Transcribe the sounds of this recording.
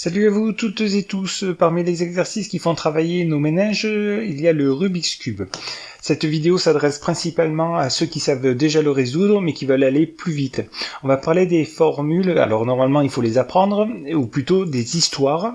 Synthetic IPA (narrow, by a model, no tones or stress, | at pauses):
salyavut̪ut̪zet̪uspaʁmilezɛɡzɛʁsiskʲifɔ̃t̪χavajenomenaʒiljaləʁybiskʲyb | sɛt̪vid̪eosad̪ʁɛspχɛ̃sipalmɑ̃asøkʲisavd̪eʒaləʁezud̪ʁəmɛkʲivœlaleplyvit̪ɔ̃vapaʁled̪efɔʁmyla̰lɔʁnɔʁmalmɑ̃ilfolezapχɑ̃d̪ʁuplyt̪od̪ezist̪waʁ